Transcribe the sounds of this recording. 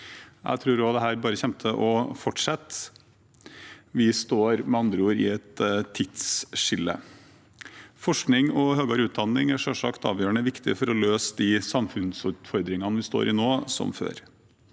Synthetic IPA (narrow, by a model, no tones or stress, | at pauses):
æ̰ɪt̪ʰɾʉːɾɔd̪ɛɦæːɾbɑːɾəçɛmt̪ʰəʔɔfɔʈʂɛt̪ | ʋɪst̪oːɾmɛɑnd̪ɾəuːɾɪ̰ɛt̪ʰːɪt̪sʂɪlːə̰ | fɔʂknɪŋɔhøːɡɑɾəʉːt̪̚d̪ɑnːɪŋæʂɔʂɑkt̪ɑ̰ːʋjøːɾəɳəʋɪkt̪ɪfɔɾɔløːsd̪ɪsɑmfʉnsʉːt̪fɔɾd̪ɾɪŋɑnəʋɪst̪o̰ːɾʔɪnoːsɔ̰mfø̰ːɾ